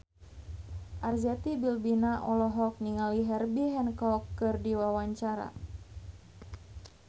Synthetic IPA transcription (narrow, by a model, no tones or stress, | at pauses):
ʔarzɛt̪ibilbinaʔɔlɔɦɔk̚niŋaliɦɛrbiɦɛnkɔkːɨrdiwawaɲt͡ʃaɾa̰